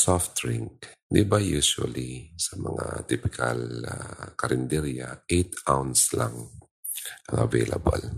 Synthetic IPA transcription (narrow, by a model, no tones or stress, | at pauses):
sɔft̪ɾɪŋk̚d̪ibajusua̰lisɐmɐŋat̪ipɪkʰalakɐɾʔɪnd̪ɛɾjaet̪awnslaŋ | ʔɐŋɐ̰vejlʔa̰ba̰l